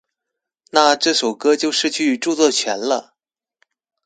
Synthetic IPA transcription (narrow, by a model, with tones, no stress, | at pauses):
na˥˧ʈ͡ʂɤ˥˩ʂo˨˩ʊkɤ˥t͡ɕjo˥˧ʊʂɻ̩˥˧t͡ɕʰy˥˩˨ʈ͡ʂu˥˧t͡swɔ˥˩t͡ɕʰɥɛ˧˥nlə˧